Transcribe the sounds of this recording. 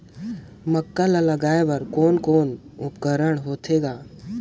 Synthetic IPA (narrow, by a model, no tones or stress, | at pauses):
məkːalaləɡaːeʋɐɾkɔːnkoːnʊpkəɾəɽ̃ɦoːt̪ʰeːɡaː